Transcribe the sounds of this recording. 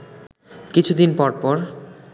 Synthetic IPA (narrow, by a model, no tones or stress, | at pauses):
kit͡ɕʰud̪inpɔɾpɔɾ